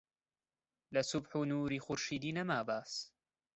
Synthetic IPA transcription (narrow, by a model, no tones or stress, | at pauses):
lɐsʊbħuːnuːɾiːxʊɾʃiːd̪iːnɐmaːbaːs